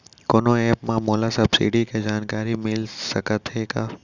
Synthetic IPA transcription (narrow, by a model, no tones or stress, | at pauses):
koːnoeːpmãmoːlasɐbsḭːɖikʰed͡ʒaːnkaːɾimɪlsəkət̪ɦekaː